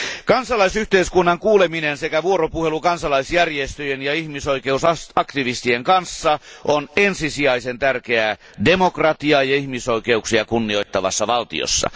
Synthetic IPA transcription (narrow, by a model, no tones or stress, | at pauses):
kɑnsɑlɑisyht̪eiskunːɑŋkuːleminensekæʋuoropuhelukɑnsɑlɑisjærjest̪øjenjɑihmisoikeusɑɑkt̪iʋist̪ieŋkɑnsːɑʔonensisiɑisent̪ærkeæ | demokrɑt̪iɑjɑihmisoikeuksiɑkunːioit̪ːɑʋɑ̰sːɑʋɑlt̪ḭo̰sːɑ̰